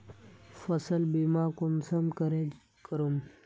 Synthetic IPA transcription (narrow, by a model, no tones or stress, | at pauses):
fɐsɐlbimaːkunsɐmkɐɾe | kəɾum